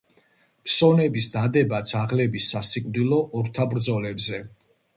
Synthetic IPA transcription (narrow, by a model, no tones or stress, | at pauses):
pʰsɔnɛbisd̪ad̪ɛbat̪sʰaʁlɛbisːasikʼvd̪ilˠɔʔɔɾt̪ʰabɾd̪zɔlɛbzɛ